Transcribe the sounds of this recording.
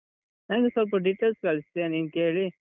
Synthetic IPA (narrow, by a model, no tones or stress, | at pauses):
nɐnɡesɐlp̬ɐɖiʈːeːlskɐɭist̪eniːnkeːɭi